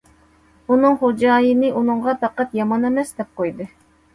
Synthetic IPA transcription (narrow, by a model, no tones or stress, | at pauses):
unɨŋχod͡ʒɑːjinɨʔunɨɴʁɑt̪ɑqɑt̪jɑmɑnɛmɛsd̪ɛp̚qʰojd̪ɨ